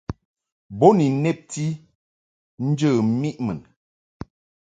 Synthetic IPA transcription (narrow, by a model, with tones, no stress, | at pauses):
bo˦ni˨nɛ˦˨p̚ti˦ | n̩˦d͡ʒə˦˨˦mi˦ʔmə˨n